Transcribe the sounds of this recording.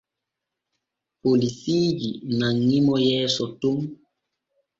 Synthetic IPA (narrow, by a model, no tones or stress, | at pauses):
polisijinaŋimɔjɛsɔtoŋ